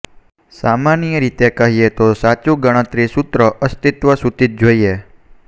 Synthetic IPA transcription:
samanijəɾit̪ekəɦiet̪osat͡ʃũɡəɽ̃ə̃t̪ɾisut̪ɾəʔəst̪it̪ʋəsut̪it̪̚d͡ʒoie

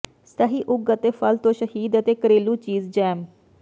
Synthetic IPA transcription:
st̪əɦiːʔʊɡət̪eːfʰəlt̪õːʃəhiːd̪ət̪eːkəɾeːluːt͡ʃiːzd͡ʒɛːm

